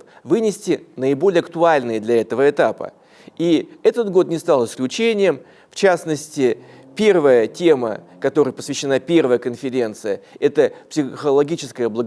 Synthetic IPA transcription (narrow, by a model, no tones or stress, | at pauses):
vɨnʲɪsʲtʲɪnəɪbo̞lʲɪjəɐkt̪ʊalʲnɨjəd̪lʲɐɛt̪əvəɪt̪apə̰ | iɛt̪ət̪ɡo̞t̪nʲɪst̪alˠɨsklʲʉt͡ɕenʲɪjəm | ft͡ɕasnəsʲtʲɪ | pʲe̞rvəjətʲe̞mə̰ | kɐt̪o̞ɾəjpə̥svʲɪɕːɪnapʲe̞rvəjəkənfʲɪɾʲe̞nt̪sɨjəɛt̪əpsʲɪxəlˠɐɡʲit͡ɕɪskəjəblˠəɡ